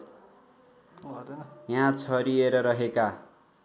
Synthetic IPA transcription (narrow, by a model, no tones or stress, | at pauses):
jãt͡sʰʌɾieɾʌɾʌɦeka